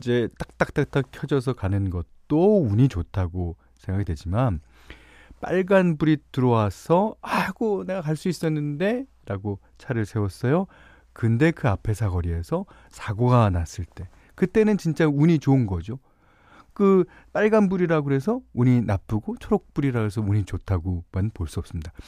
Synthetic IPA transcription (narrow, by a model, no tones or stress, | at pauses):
id͡ʑe̞t͈ak̚t͈ak̚t͈ak̚t͈ak̚kʰjʌd͡ʑʌs̬ʰʌkanɯnɡʌt̚t͈ouɲit͡ɕotʰaɡo | sʰe̞ŋɡaɡidwe̞d͡ʑiman | p͈a̰ɭɡanbuɾitɯɾʌwasʰʌaɡone̞ɡakaɭs͈uis͈ʌnːɯnde̞ | ɾaɡo | t͡ɕʰaɾɯɭsʰe̞wʌs͈ʌjo | kɯnde̞kɯapʰe̞sʰakʌɾie̞sʰʌ | sʰaɡoɡanas͈ɯɭt͈e̞ | kɯt͈e̞nɯnt͡ɕint͡ɕ͈auɲit͡ɕoɯnɡʌd͡ʑo | kɯ | p͈aɭɡanbuɾiɾaɡoɦe̞sʰʌuɲinap͈ɯɡot͡ɕʰoɾok̚p͈uɾiɾaɡoɦesʰʌuɲit͡ɕotʰaɡomanpoɭs͈uʌps͈ɯmɲid̥a